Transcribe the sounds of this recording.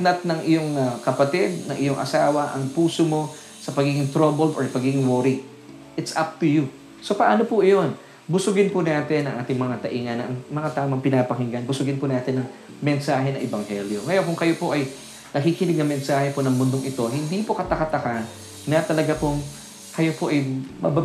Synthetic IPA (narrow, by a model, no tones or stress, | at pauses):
nɐt̪̚nɐŋʔɪjoŋɐkɐpɐt̪ɪd̪̚nɐŋʔɪjoŋʔɐ̰saːwɐʔɐŋpuːsomo̞ | sɐpɐɡiːɡɪŋt̪ɾobɛld̪oɹpɐɡiːɡɪŋwoɾɪ | ʔɪt̪sʔap̚t̪ʊju | so̞pɐʔaːnopʊʔɪjo̞n | bʊsʊɡɪnpʊnaːt̪ɛnːɐŋʔaːt̪ɪŋmɐŋat̪ɐʔiːŋɐnɐʔɐŋmɐŋat̪aːʔomɐŋpɪnaːpɐɦɪŋɡɐnbʊsʊɡɪnpʊnaːt̪ɪnːɐŋ | mɛnsaːɦɛnɐ̰ʔɛbɐŋhɛljo̞ŋɐjonkʊŋkɐjopo̞ʔɐj | nɐkiːkɪnɪɡ̚nɐmɛnsaːhɛponɐŋmʊnd̪oŋʔɪt̪o̞hɪnd̪ipo̞kɐt̪ɐkɐt̪ɐka | nɐt̪ɐlɐɡapoŋ | kɐjopo̞ʔɐjmɐ̰ba